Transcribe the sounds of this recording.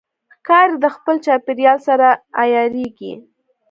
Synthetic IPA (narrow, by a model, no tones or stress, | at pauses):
xkɑɾd̪əxpəlt͡ʃɑpeɾjɑlsaɾaːjɑɾeɡḭ